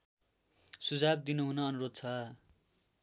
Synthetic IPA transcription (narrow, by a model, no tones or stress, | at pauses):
sud͡zab̚d̪inuɦunʌːnuɾod̪̚t͡sʰʌ